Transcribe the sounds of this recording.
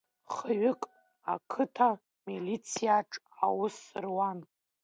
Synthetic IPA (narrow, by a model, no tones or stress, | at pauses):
χəɥʊkʼ | a̰kʰɨtʰa | milit͡sʰijaʈ͡ʂʼ | a̰wʊsɨrwan